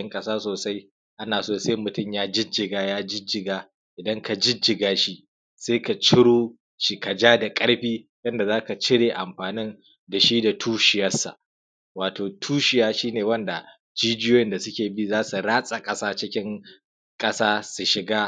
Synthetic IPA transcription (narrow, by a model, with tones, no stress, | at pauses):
ɪ˦ŋkʼɐ˦saː˦soː˨sa˦j | ʔa˦naː˨soː˦˨se˦mʊ˨tʊ˦˨mjaː˦d͡ʒɪ˦d͡ʒɪ˨ɡaː˦jaː˦d͡ʒɪ˦d͡ʒɪ˨ɡaː˦ | ʔɪ˨dɐ˦ŋka˨d͡ʒɪ˦d͡ʒɪ˨ɡaː˦ʃi˦ʔ | seː˦ka˨t͡ʃɪ˦ɽoː˦ | ʃi˨ka˨d͡ʒaː˦da˨kʼɐ˦ɽɸiː˦ | jɐ˦nda˨zaː˦ka˨t͡ʃɪ˦ɽeː˨ʔa˨mɸaː˨nɪ˦n | da˨ʃi˦da˨tʰuː˦ʃɪ˨jɐ˦sːa̰˨ʔ | waː˨toː˨tʰuː˦ʃɪ˨jaː˦ʃiː˦neː˨wɐ˦nda˨ | d͡ʒiː˦d͡ʒɪ˦joː˦jɪ˦nda˨sʊ˦kʲeː˨bi˦zaː˦su˨ɽaː˦sʼa˨kʼɐ˦saː˦t͡ʃɪ˦kʲɪ˦ŋ | kʼɐ˦saː˦su˨ʃɪ˨ɡaː˦